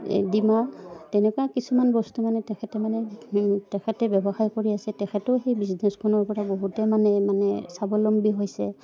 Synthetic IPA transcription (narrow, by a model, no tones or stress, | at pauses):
dimatɛnɛkɔakisumanbɔstumanɛtɛkʰɛtɛmanɛtɛkʰɛtɛbɛbɔxaɹkoɹiasɛtɛkʰɛtʊxejbiznɛskʰɔnɔɹpɔɹaboɦutɛmanɛmanɛ̰sabɔlɔmbiɦojsɛ